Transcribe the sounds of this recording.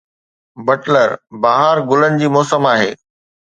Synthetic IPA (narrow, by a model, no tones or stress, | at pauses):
bɐʈləɾbaːɦəɾɡʊlənɪ̆d͡ʑiːmɔːsəmaːɦḛː